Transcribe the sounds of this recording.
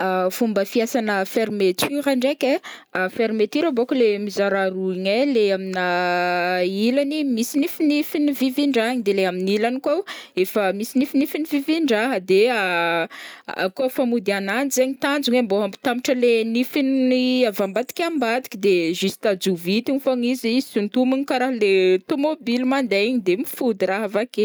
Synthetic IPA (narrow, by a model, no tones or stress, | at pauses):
afumbəfiasanəfeɾimet̪ʰyɾaɳɖ͡ʐeke | feɾimet̪iɾabokulemizaɾaɾuiɲeleamina | ilanimisinifinifiniviviɳɖ͡ʐaɲid̪eleaminilanikoefəmisinifinifiniviviɳɖ͡ʐaɦəd̪ea | a̰kofamud̪ianand͡zeɲit̪and͡zuŋemboampi̥t̪amiʈ͡ʂəlenifiniavambat̪i̥kʲambad̪i̥kʲid̪eʒust̪ad͡zuvit̪iɲifoɲizisint̪uminikaɾaɦəlet̪omobilmand̪eɲid̪emifud̪iɾaɦəvake